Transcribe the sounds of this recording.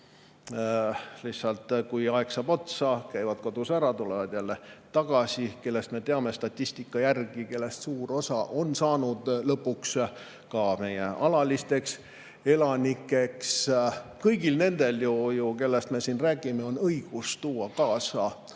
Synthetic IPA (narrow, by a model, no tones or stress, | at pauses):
lihsɑlt̪ˑkujɑeksɑb̥o̞t̪sɑkæjvɑd̪̥ko̞d̪̥usæɾɑt̪ulevɑd̪̥jælːe̞t̪ɑɡ̥ɑsike̞lːe̞st̪me̞t̪eɑme̞st̪ɑt̪ʲːisʲt̪ikːˑɑjærɡ̥ike̞lːe̞st̪suːɾo̞sɑʔo̞nsɑːnud̪̥lɤpːuks | kɑme̞je̞ɑlɑlist̪e̞ks | e̞lɑnikːˑe̞kskɤjɡilne̞nd̪̥e̞ljujuke̞lːest̪me̞sinræːɡ̥ime̞o̞nɤjɡ̥ust̪uːɑkɑːsɑ